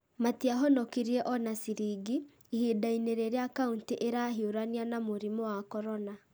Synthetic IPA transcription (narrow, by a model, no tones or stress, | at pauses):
matiaɦɔnɔkiɾiɛʔɔnasiɾiɡiː | hidaineɾeɾeakauntiʔeɾaɦioɾanianamoɾimɔwakɔɾɔna